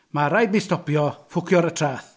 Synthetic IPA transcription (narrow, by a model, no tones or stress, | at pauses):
maɾajdmɪstɔpjɔfʊkʰjɔɾətʰraːθ